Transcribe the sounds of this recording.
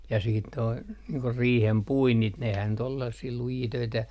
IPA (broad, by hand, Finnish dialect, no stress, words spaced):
jɑ siːt toi niːŋ ko riːhem puinːit nehæn nyt ol selːɑsːiː lujiː tøitæ